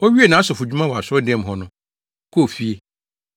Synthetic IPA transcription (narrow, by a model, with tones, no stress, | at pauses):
ɔ˦ɥi˦e˦˨nã˨˦sʊ˨fu˨d͡ʑᶣu˦mã˦wɔ˨a˨sɔ˦dɛ̃˦m˦ɦɔ˨nʊ̃˦ | kʰo˦˨fi˦e˨